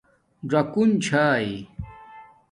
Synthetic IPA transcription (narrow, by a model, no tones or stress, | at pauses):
ɖ͡ʐɐkunt͡ɕʰaːi